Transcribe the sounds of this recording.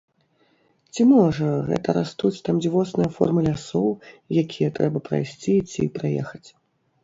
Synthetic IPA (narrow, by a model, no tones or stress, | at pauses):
t͡sʲimɔʐɐɣɛ̰t̪ɐɾast̪ut͡sʲt̪amd͡zʲivɔsnɐjɐfɔ̰rmɐlʲasɔwjakʲʰijɐt̪ɾɛbɐpɾa̰jsʲt͡sʲit͡sʲḭpɾajɛ̰xɐt͡sʲ